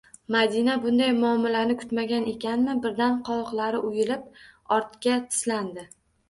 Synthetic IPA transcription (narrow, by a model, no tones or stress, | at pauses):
mad̪inabʊnd̪ajmʊamːɪlanɪkʰʊ̥t̪maɡʲane̞kʲʰanmɪbɪɾd̪anqʰɒlˠqlˠaɾɪʔʊjɪlɪp̚ɒɾt̪kʲat̪ʰɪ̥sland̪ɪ